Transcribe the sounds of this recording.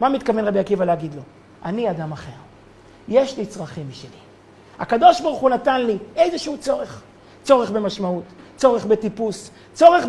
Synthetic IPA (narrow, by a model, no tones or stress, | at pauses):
mamit̪kavenʁabijakivaleaɡid̪lo̞ | ʔaniad̪amaχe̞ʁ | jeʃlit͡sʁaχimiʃili | ha̰kad̪o̞ʃbaʁuχunatanliejzeʃehut͡so̞ʁe̞χ | t͡so̞ʁe̞χbe̞maʃmaut̪t͡so̞ʁeχbe̞tipus | t͡so̞ʁe̞χ